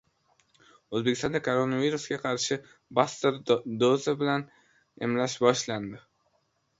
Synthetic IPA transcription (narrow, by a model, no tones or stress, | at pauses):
ɵzbekʲɪst̪ɒnd̪akʰoɾonaviɾusɡʲaqʰɑɾʃɪ | bast̪eɾd̪ozabɪlan | ḛmlaʃbɒʃland̪ɪ